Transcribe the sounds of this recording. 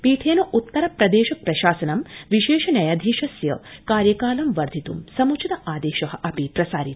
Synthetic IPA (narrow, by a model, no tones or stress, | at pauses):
piːʈʰeːnuʔut̪ːɐɾɐpɾɐd̪eːʃɐpɾɐʃaːsɐnɐmʋiʃeːʃɐnɐjaːd̪ʱiːʃɐsjɐkaːɾjɐkaːlɐmʋɐɾd̪ʱit̪umsɐmut͡ʃʰid̪ɐʔaːd̪eːʃɐɦɐ̆ʔɐpipɾɐsaːɾit̪